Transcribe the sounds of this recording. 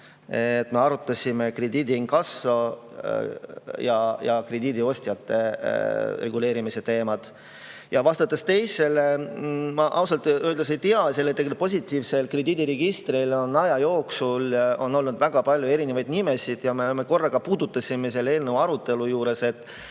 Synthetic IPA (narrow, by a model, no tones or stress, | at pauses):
et̪ːme̞ɑɾut̪ːˑɑsʲime̞kre̞d̪iːd̪ʲiiŋkɑsːo̞ | jɑjɑkre̞d̪iːd̪io̞st̪jɑt̪ːe̞̰ | re̞ɡ̥ule̞ːɾimise̞t̪e̞ːmɑd̪̥ | jɑvɑst̪ɑt̪ːˑest̪e̞jse̞le̞mɑʔɑwsɑlt̪ːˑy̥esejt̪iɑselːet̪ːeɡlpo̞s̬ʲit̪ːˑiːvse̞lkre̞d̪iːd̪ʲiɾeɡ̥ist̪ɾilo̞nːɑjɑjo̞ːksulo̞nːo̞lnud̪væɡ̥ɑpɑlʲjue̞ɾinevɑjd̪nime̞sid̪̥jɑmeme̞ko̞rːɑɡ̥ɑpuːd̪̥ut̪ːˑɑsʲime̞se̞lːeeːlnəvɑɾut̪ːˑe̞lujuːɾe̞se̞t̪ːˑ